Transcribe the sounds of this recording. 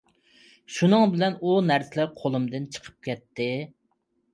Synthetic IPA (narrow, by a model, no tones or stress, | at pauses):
ʃunɨŋbɪlɛnunæɾsɪlɪɾqʰolˠɨmd̪ɨnt͡ʃʰə̥qʰə̥p̚kʲɛt̪ːɪ